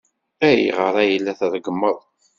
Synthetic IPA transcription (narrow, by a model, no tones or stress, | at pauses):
æjḭʁəɾˤæjəlːæθðˤɡəmːəðˤ